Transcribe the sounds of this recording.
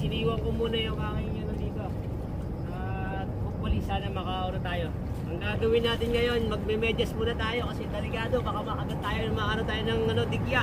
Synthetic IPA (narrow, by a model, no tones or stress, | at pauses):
sɪniːwɐpʊmuːnɐjʊŋaːŋɐŋɐnod̪iːt̪o | ʔa | popːʊlisanɐmɐkaoːɾot̪aːjo̞ | ʔɐŋɡaːɡɐwɪnːaːt̪ɪnɡɐjo̞nmɐɡ̚mɛmɛd͡ʒɐsmuːnɐt̪aːjo̞kɐsɛt̪ɐlɪkaːd̪o̞bakamɐkɐɡɐt̪aːjonɐŋmɐʔaːɾont̪aːjonɐŋɐno̞d̪ɪɡja